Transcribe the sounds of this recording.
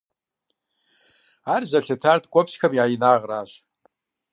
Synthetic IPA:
arzɐɬɐtʰartɡʷʼɔpɕxɐmiajnaːʁraːʒ

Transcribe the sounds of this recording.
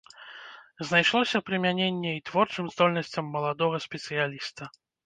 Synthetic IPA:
znajʂlˠɔsʲɐpɾɨmʲanʲenʲːɛit̪vɔrt͡ʂɨmzd̪ɔlʲnɐsʲt͡sʲɐmːɐlˠad̪ɔɣɐsʲpʲɛt̪sɨjalʲist̪ɐ

